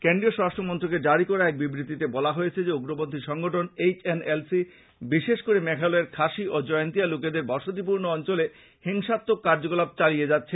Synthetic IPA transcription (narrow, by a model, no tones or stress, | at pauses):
keɳɖioʃɾaʃʈʰɾomɔnt̪ɾok̬ed͡ʑaɽikɔɾaɛk̚bibɾit̪it̪ebɔlaɦojet͡ɕʰed͡ʑeuɡɾobond̪ʱiʃɔŋɡʱoʈʰonet͡ɕenelsi | biʃeʃkoɾemɛkʰalɔeɾkʰaʃiʔod͡ʑɔeont̪ialoked̪eɾbɔʃot̪̬ip̬uɾnoɔnt͡ɕole | heŋʃat̪ːokːaɾd͡ʑoɡolab̚t͡ɕalijed͡ʑatːɕʰe